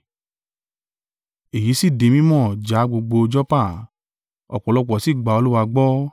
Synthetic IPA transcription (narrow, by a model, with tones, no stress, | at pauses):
e˨ji˨˦si˦˨de˨˦mĩ˦mɔ̃˦˨d͡ʒa˨˦ɡ͡bo˧ɡ͡bo˧d͡ʒɔ˦pa˦˨ | ɔ̰˨k͡pɔ˨lɔ˧k͡pɔ˨si˦˨ɡ͡ba˨˦o˧lu˦wa˧ɡ͡bɔ˦